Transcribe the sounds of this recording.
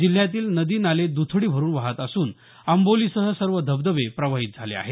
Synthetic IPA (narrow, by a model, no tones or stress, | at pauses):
d͡ʑil̤ːjat̪iːlnəd̪iːnaled̪ut̪ʰɽiːbʱəɾuːnʋaɦət̪əsuːn | əmboliːsəɦəsəɾʋəd̪ʱəbd̪əʋepɾəʋaɦit̪̚d͡zʱalḛa̰ɦe